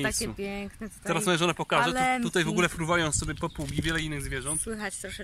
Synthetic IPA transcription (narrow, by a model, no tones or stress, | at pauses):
jsupʲjɛŋknɛt̪ɛɾassmɔjɛʒɔnɛpɔkaʒɛt̪ut̪ajvɔɡulɛfɾuvajɔ̃w̃sɔbʲjɛpɔpuɡʲivʲjɛlɛinːɘɣzvʲjɛʒɔ̃nt̪wɘxat͡ɕt̪ɾɔɛ